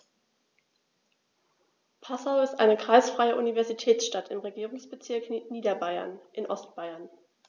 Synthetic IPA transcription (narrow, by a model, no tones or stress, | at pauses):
pʰasaʊɪstʔa̰ɪnəkʁ̥aɪsfʁ̥aɪəʔunivɛɐzitʰɛːt͡sʃtatʰɪmʁeɡiːʁʊŋsb̥ət͡sɪɐkniːdɐbaɪɐ̰nʔɪnʔɔstb̥aɪɐn